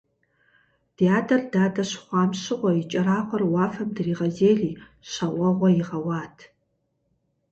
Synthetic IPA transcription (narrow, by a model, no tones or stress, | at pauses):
d̥ijaːdʰɐrdaːdɐɕχʷɑːmɕɪʁʷɔit͡ʃʼɐɾaːʁʷɐrwɑːfɐmdɨriːʁɐzeːɮiː | ɕɐʔʷɐʁʷɔjɪʁɐwɑːtʰ